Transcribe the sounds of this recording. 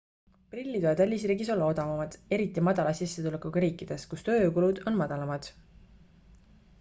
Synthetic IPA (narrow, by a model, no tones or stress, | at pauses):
prilʲːit̪oed̪̥ælʲːisriːɡiso̞lːɑo̞d̪ɑvɑmɑd̪̥e̞ɾit̪ːˑimɑd̪̥ɑlɑsisːet̪ulekˑuɡɑɾiːkːˑid̪̥e̞skust̪ø̞ːkulud̪̥o̞nmɑd̪̥ɑlɑmɑd̪̥